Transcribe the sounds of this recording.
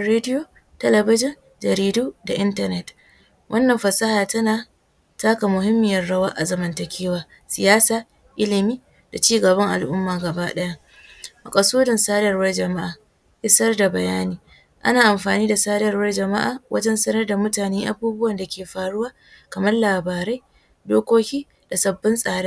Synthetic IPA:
ɾeː˦dɪ˦joː˨ | tɐ˦lɐ˨bɪ˦d͡ʒɪ˦n | d͡ʒɐ˨ɾiː˨duː˦da˨ʔɪ˦ntɐ˦nɛ˦t | wʔɐ˦nːɐ˨mɸɐ˨sɐ˦haː˨tɐ˦naː˨ | taː˦ka˨mʊ˨ɦɪ˦mːɪ˨jɐ˦rɽɐ˦waː˦ʔa˨zɐ˨mɐ˨ntɐ˨kʲʰeː˦waː˨ | sɪ˨jaː˦saː˨ | ʔɪ˦lɪ˨miː˦ | d̥a˨t͡ʃiː˦ɡɐ˨bɐ˦ŋʔa̰˨lʔʊ˦mːaː˨ɡɐ˨baː˦ɗɐ˦ja˦ʔ | mɐ˨kʼɐ˨suː˦dɪ˨nsaː˦dɐ˨rwɐ˦rd͡ʒɐ˨ma˦ʔaː˨ | ʔɪ˦sɐ˦rda˨bɐ˨jaː˦niː˨ | ʔa̰˦naː˨ʔa˨mɸaː˨niː˦da˨saː˦dɐ˨rwɐ˦rd͡ʒɐ˨ma˦ʔa̰ː˨wʔɐ˦d͡ʒɛ˦nsɐ˦nɐ˦rda˨mʊ˦taː˨neː˦ʔa˦buː˦bʊ˦wɐ˨nda˨kʲeː˨ɸaː˨ɽʊ˦waː˦ | kɐ˨mɐ˦rlaː˨baː˨ɾa˦j | doː˦kʷoː˦kʲiː˦ | d̥a˨sɐ˨bːɪ˦nsʼaː˨ɽe˦

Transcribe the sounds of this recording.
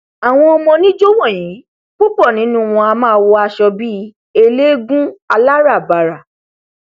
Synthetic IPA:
a˨w̃ɔ̃˧ɔ˧mɔ̃˧nĩ˦d͡ʒo˦wɔ̃˦˨j̃ĩ˨˦ | k͡pu˦pɔ˦˨nĩ˨˦nũ˦˧wɔ̃˧a˧mãː˦wo˧a˧ʃɔ˧bi˦ | e˧le˦ɡũ˦a˧la˦ɾa˦˨ba˨ɾa˨

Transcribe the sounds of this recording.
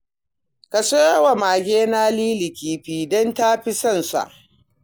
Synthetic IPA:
ka˨soː˦wa˨maː˨ɡʲeː˦naː˦liː˦lɪ˨kʲiː˨ɸiː˨dɔ˦ntaː˦ɸɪ˦sɐ˦˨nsa̰˨ʔ

